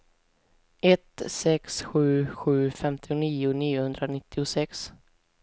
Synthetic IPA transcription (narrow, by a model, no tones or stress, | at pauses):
ɛt̪sɛksɧʉ̟ːɧʉ̟ːfɛmt̪ʰɪʊniːʊniːʊhɵnd̪ɾanɪt̪ːɪʊsɛks